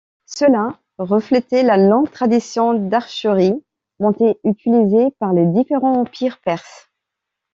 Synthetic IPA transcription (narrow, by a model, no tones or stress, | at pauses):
səla | ʁəflɛt̪elalɔ̃ɡt̪χad̪isjɔ̃d̪aʁʃəʁi | mɔ̃t̪eyt̪ilizepaʁled̪ifeʁɑ̃ɑ̃pʰiʁpɛʁs